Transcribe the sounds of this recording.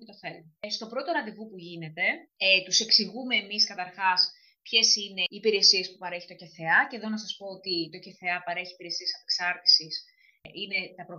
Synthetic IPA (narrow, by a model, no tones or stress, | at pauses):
t̪ofel | st̪o̞pɾo̞t̪o̞ɾɐt̪ivupuʝine̞t̪e̞et̪use̞ksiɣume̞ːmiskɐt̪ɐɾxɐs | pçe̞sine̞iːpiɾe̞sie̞spupɐɾe̞çi̥t̪o̞ce̞θeɐce̞ðo̞nɐsɐspo̞ot̪it̪o̞ce̞θe̞ɐpɐɾe̞çiːpiɾe̞siesɐpeksɐɾt̪i̥sis | ine̞t̪ɐpɾo